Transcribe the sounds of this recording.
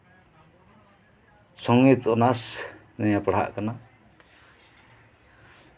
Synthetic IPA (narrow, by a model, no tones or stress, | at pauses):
sɔŋit̪ɔnas | nɛjapɽ̤a̰ʔkana